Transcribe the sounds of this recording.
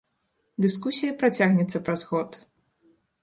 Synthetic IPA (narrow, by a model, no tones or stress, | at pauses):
d̪ɨskusʲijɐpɾat͡sʲaɣnʲɛt̪sːɐpɾazɣɔt̪